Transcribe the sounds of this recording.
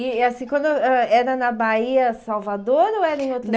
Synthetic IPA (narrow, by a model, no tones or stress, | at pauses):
ɪasĩkwɐ̃nd̪ʊɛɛɾɐnɐbaiɐsawvad̪oɾɐoɛɾɐẽot̪ɾ̃